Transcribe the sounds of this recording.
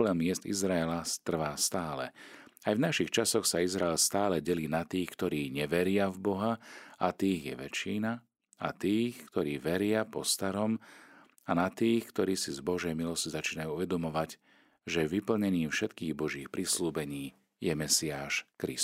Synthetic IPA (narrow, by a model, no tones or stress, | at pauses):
lɛmɪɛst̪ḭzɾaɛlast̪r̩ʋaːst̪aːlɛ̰ | ajvnaʃixt͡ʃasɔxsaizɾaɛlst̪aːlɛɟɛliːnat̪iːxkt̪ɔɾiːɲɛʋɛɾɪavbɔɦaat̪iːɣjɛ̰ʋɛ̰t͡ʃiːna | a̰t̪iːxkt̪ɔɾiːʋɛɾɪapɔst̪aɾɔm | anat̪iːxkt̪ɔɾiːsizbɔʒɛjmilɔscizat͡ʃiːnajuːuʋɛd̪ɔmɔʋaɟ | ʒɛʋipl̩ɲɛniːfʃɛt̪kiːɣbɔʒiːxpɾisluːbɛɲiː | jɛmɛsiaːʃkɾḭs